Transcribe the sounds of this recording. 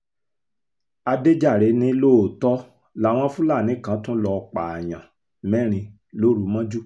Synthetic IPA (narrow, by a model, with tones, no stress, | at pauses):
a˧de˦d͡ʒa˦˨ɾe˨˦nĩ˦lo˦˨tɔ˦ | la˨˦˨w̃ɔ̃˧˦fũ˦la˦˨nĩ˨˦kã˨˦tũ˦lɔ˧k͡pa˨j̃ã˨ | mɛ̃˦ɾ̃ĩ˧ | lo˦ɾu˨˦mã˦d͡ʒu˦˨